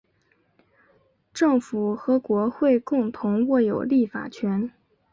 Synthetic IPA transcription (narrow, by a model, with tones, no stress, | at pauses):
ʈ͡ʂɤ˥˩ŋfu˨˩xɤ˧˥kwɔ˧˥xwe˥˧ɪkʊ˥˩˧ŋt̪ʰʊ˧˥ŋwɔ˥˩jo˨˩ʊli˥˩fa̰˨˩t͡ɕʰɥɛ˧˥n